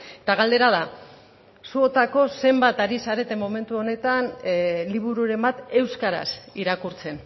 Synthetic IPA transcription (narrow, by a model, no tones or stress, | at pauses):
et̪aɣald̪e̞ɾað̞a | suot̪ako̞se̞mbat̪aɾisaɾe̞t̪e̞mːo̞me̞nt̪uo̞ne̞t̪anliβ̞uɾuɾe̞mbat̪e̞wskaɾa̰siɾakuɾt͡se̞n